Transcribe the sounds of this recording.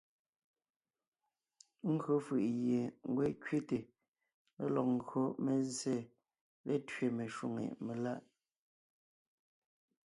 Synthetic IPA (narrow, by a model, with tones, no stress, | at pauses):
ŋ̩˦ɡɥo˨˦fɯ˨ʔɣje˨ŋ˦ɡwɛ˦kɥi˦te˨ | mḛ˦lɔ˨q̚ŋ̩˦˨ɡɰo˦me˨ze˦˨ | le˦tɥe˨me˨ʃwu˦˨ŋḛ˨me˨la˦ʔ